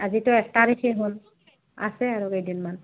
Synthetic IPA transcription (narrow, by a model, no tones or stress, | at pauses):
azitʊɛk̚taɾikʰeɦʊn | a̰sɛaɹuejdinman